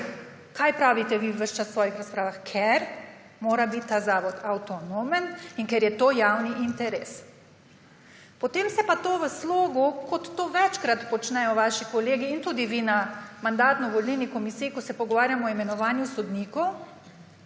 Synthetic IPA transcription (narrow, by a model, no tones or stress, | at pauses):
kajpɾaːʋit̪ɛʋiwʋəʃt͡ʃassːʋɔːjixɾaspɾaːʋaxkʰɛɾ | moːɾabit̪ːazaːʋɔt̪ʰawt̪ɔnoməninkɛɾjɛt̪oːjaːwniʔint̪ɛɾeːs | pɔt̪emsɛpat̪oːʋəsloːɡukɔt̪ːoːʋɛt͡ʃkɾat̪pɔt͡ʃnɛjɔʋaːʃikɔleːɡiːnt̪uːd̪iʋinamand̪aːt̪nɔʋɔlninikɔmisiːikɔsɛpɔɡɔʋaːɾjamɔːimɛnɔʋaːnjusɔd̪niːkɔw